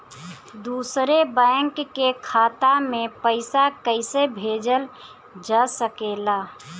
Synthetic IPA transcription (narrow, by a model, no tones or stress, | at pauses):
d̪uːsɾebəŋkːekʰaːt̪amẽpəɪsakəɪsebʱeːd͡ʒəl | d͡ʒəsəkela